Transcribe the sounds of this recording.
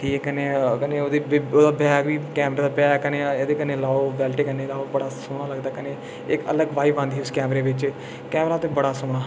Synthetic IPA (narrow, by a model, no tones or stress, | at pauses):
ʈʰiːkɛkəneːkəneːod̪eoːd̪aːbɛːkʋiːkɛːmɾeːd̪aːbɛːkəneːed̪eːkəneːlaːoːʋɛːlʈeːkəneːlaːbəɽaːsoːɽ̃aːləɡd̪aːkəneː | ɪkə̰ləɡʋaːiʋãnd̪iiːʊskɛːmɾeːʋɪt͡ʃ | kɛːmɾaːt̪eːbəɽaːsoːɽ̃aː